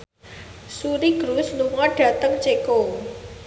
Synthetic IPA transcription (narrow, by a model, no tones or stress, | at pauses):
suɾiɡ̥ɾusluŋɔɖ̥a̤t̪əŋt͡ʃeko